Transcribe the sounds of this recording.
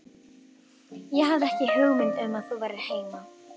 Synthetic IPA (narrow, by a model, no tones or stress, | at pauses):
jɛɦavðɪɛhcɪhʏɣmɪnt̪ʏmaðθuvajɾɪɾ̥heːjma